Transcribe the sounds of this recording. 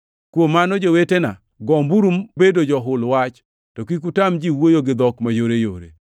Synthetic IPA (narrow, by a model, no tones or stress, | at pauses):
kwomːanɔd͡ʒowetena | ɡɔmbuɾumbedod͡ʒɔɦʊlwat͡ʃ | tɔkik̬utamd͡ʒiwojoɡɪd̪ɔkmajoɾejo̰ɾḛ